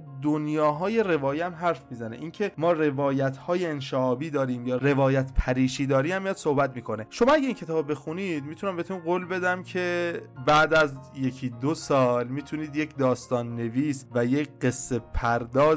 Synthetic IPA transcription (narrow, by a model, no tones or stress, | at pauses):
d̪onjɒːɦɒːje̞re̞vɒːjeæmɦæɾfmiːzæne̞̰ʔiːncʰe̞mɒːre̞vɒːjæt̪ʰhɒːje̞enʃeʔɒːbiːd̪ɒːɾiːmjɒːɾe̞vɒːjæt̪ʰpʰæɾiːʃiːd̪ɒːɾiːæmːijɒd̪̥so̞hbæt̪miːkʰo̞ne̞ʃo̞mɒːæɟʲeiːncʰe̞t̪ʰɒːbbe̞xunid̪miːt̪ʰunæmbe̞t̪ʰuniɢoːlbe̞d̪æmcʰebæd̪æzje̞cʰid̪osɒːlmiːt̪ʰuniːd̪jecʰd̪ɒːst̪ɒːnːe̞viːsvæjecɢe̞sːe̞pʰæɾd̪ɒːz